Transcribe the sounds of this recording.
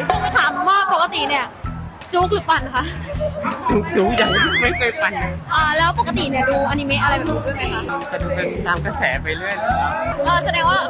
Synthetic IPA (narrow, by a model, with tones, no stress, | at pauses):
tɔ˧ŋma˥˩t̪ʰaː˩˦m˧waː˥˩po˨˩ka˧t̪i˨˩ni˧˩ɐ | t͡ɕuː˦˥k̚lɯː˩˦pa˧˩n˩kʰa˦˥ʔ | t͡ɕuː˦˥k̚t͡ɕuː˦˥k̚jaː˨˩˦ŋdu˧˦ma˥˩jkʰɤː˧jpa˧˩ja˦˥ʔaː˧˩lɛː˦˥wp̬o˨˩ka˧t̪i˨˩ni˦˥˩ɐduː˧ʔa˧ni˧me˦˥ʔa˧a˧jmʰa˦˥su˨˩t̚uː˥˩na˧˩kʰa˦˥ʔt͡ɕa˨˩duː˧pe˧nt̪aː˧mka˧sɛː˩˦pa˧jlɯ˥˩əjna˧˥a˦˥ʔɤː˧˩sa˧dɛː˧ŋwaː˥˩